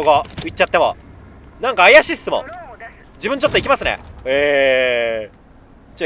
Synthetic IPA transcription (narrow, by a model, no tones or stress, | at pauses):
oɡait͡ɕːat̪ːe̞mo̞̰ | nãŋkaːjaɕisɨ̥t̪ɨmo̰ | d͡ʑibɯ̟̃ɲt͡ɕo̞t̪ːoikʲimasɨnḛe | t͡ɕ